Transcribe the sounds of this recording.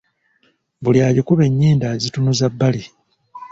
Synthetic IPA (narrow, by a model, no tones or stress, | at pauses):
βuljaːjikuβe̞ɲːiːndazitunuzabːali